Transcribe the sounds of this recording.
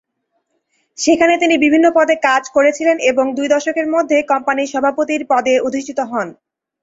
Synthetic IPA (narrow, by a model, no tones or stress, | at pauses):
ʃekʰanet̪inibibʱinːopɔd̪ekad͡ʑkoɾet͡ɕʰileneboŋd̪ujd̪ɔʃokeɾmod̪ʱːekɔmpaniʃɔbʱapot̪iɾpɔd̪eod̪iʃʈit̪oɦɔn